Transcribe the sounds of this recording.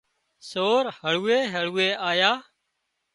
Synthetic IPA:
soːɾhəɭ̤uːeːɦəɭuːeːʔaːjaː

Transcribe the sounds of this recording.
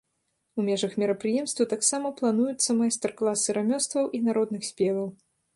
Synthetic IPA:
umʲɛʐɐxmʲiɾɐpɾɨjɛmst̪vɐt̪aksamɐplˠanujut̪sːɐmajst̪ɐrklˠasɨɾamʲɔst̪vɐwʔinaɾɔd̪nɨxsʲpʲɛvɐw

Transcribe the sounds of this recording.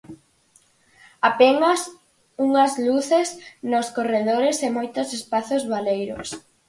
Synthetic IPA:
apenɐs | uŋɐzluθesnoskoreðoɾesemojt̪ʊsespaθozβalejɾʊ̰s

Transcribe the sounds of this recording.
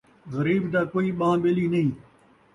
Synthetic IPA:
ɣɐɾiːbd̪aːkoːiːɓãːɓeliːnɐĩː

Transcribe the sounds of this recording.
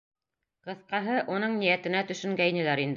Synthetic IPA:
qɤ̆θqɑɦɤʔunɤɴnijæt̪ɘ̆næt̪ɵ̆ʃɵ̆ŋɡæjnɘ̆læɾind̪

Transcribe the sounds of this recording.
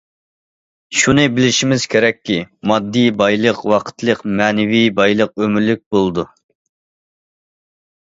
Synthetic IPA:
ʃunɨbɪlɪʃimɪz̥kʲʰeɾɛkʲːimɑd̪ːibɑjlˠəqwɑqʰə̥t̪ʰlˠəqmɛnɪwibɑjlˠəq̚ømyɾlyk̚ʲbolˠd̪u

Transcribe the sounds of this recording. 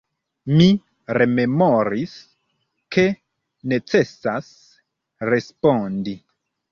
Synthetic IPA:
mi | ɾe̞me̞moɾis | ke | ne̞t͡se̞sas | ɾe̞spondi

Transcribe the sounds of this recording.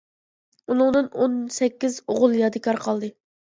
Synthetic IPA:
unɨŋd̪ɨnonsɛkʲːizoʁʊlˠjɑd̪ɨkʰɑɾqʰɑlˠd̪ɨ

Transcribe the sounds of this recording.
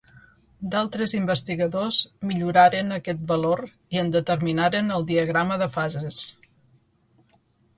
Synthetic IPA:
d̪alˠt̪ɾəzimbəst̪iɣəðozmiʎuɾaɾənəkɛt̪̚bəloɾ | iənd̪ət̪əɾminaɾənəlˠd̪iəɣ̞ɾaməðəfazes

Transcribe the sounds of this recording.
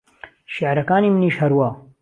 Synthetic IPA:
ʃɪʕɾɐkaːniːmɨniːʃhɐɾwaː

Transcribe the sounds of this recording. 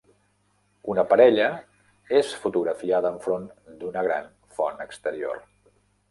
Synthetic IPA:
unəpəɾɛʎə | esfut̪uɣɾəfiaðəːɱfɾond̪unəɣɾa̰n | fɔnəkst̪əɾio̰r

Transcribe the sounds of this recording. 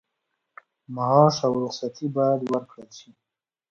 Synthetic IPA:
maɦɑʃawɾʊsat̪ʰibɑjad̪wəɾkɽəlʃi

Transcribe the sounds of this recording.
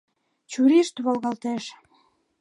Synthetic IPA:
t͡ɕuɾiʃt̪βolɣɑlt̪eʃ

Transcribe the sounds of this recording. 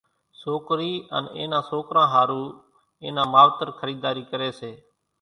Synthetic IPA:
soːkɾiːə̰nḛːnãːsoːkɾãːɦaːɾuː | ḛːnãːmaːʋt̪əɾkʰəɾiːd̪aːɾiːkəɾeːseː

